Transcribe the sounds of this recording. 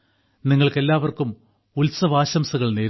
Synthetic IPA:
niŋːɐɭke̞lːaːʋɐrkum | ulsɐʋaːɕɐmsɐɣɐɭneːɾ

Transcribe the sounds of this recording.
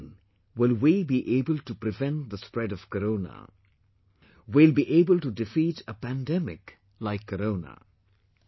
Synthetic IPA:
n | wɪlwibiʔeːbəlʈupɾɪvɛ̃n̚ðəspɾɛɾʌv̥kəɾoʊnə̰ | wilbiʔeːbəlʈudɪfiːtəpæ̃ndɛmɪ̰k | laɪkʰːəɾõʊnə̰

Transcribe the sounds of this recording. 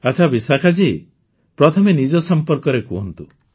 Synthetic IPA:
at͡ʃʰabisakʰad͡ʒi | pɾɔt̪ʰɔmenid͡ʒɔsɔmpɔɾkɔɾekɔɦɔnt̪u

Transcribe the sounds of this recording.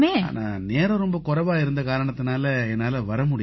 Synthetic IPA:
meːa̰ːna̰ːneːɾɐ̃ɾɔmbɐkʊɾɐʋaːɪɾɯnd̪ɐkaːɾɐɳɐt̪ːɯnaːlɐɛnːaːlɐʋɐɾɐmʊɽɪ

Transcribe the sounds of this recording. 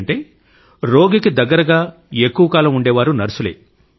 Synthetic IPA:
ɳʈe̞ː | ɾo̞ːɡikid̪ɐɡːɐɾɐɡaː | ekːuʋɐkaːlɐmuɳɖeːʋaːɾunɐɾɐsulḛː

